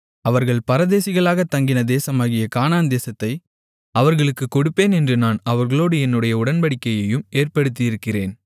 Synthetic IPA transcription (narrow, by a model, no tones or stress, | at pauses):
ɐʋɐɾɣɐɭpɐɾɐðeːsɪɣɐɭaːɣɐt̪ːɐŋɡɪnɐd̪eːsɐmaːɣɪjɐkaːnaːnd̪eːsɐt̪ːɐɪ | ɐʋɐɾɣɐɭɯkːɯkːɔɽɯpːeːnɛndrɯnaːnɐʋɐɾɣɐɭoːɽɯɛnːɯɽɐjɐʊɽɐnbɐɽɪkːɐjɐjɯmeːrpɐɽɯt̪ːɪjɪɾɯkːɪreːn